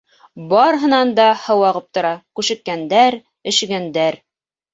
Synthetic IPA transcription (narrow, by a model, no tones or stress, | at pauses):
bɑɾɦɤ̆nɑnd̪ɑhɤ̆wɑʁɤp̚t̪ŏɾɑkʉʃɘ̆kːænd̪æɾ | ɘ̆ʃɘɡænd̪æɾ